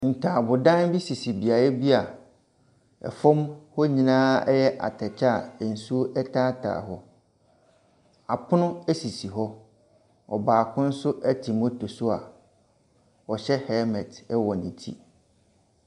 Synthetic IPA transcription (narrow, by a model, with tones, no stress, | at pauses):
n̩˨tʰa˨bʊ˨dã˦nbi˦si˨si˨bi˨a˨ɾɛ˦bi˦a˨ | ɛ̰˨fɔ̃˦mhɔ˦ɲĩ˨nãː˦ɛ̰˦jɛ˦ʔa̰˨tʰɛ˨t͡ɕʰa˦˨ɛ˨n̩˨su˦ʔɛ˦tʰa˦tʰa̰ː˨ɦɔ˦ | a˨pʰʊ˦nʊ̃˦æ˦si˨si˨ɦɔ˦ | ɔ̰˨baː˨kʰʊ̃˦n̩˦sʊ˦ʔɛ˦tʰi˨mo˦tʰo˨sʊ˦a̰˨ | ɔ˨ɕɛ˦hɛ˦mɛ̃˨tɛ˦wɔ˨nĩ˨tʰḭ˦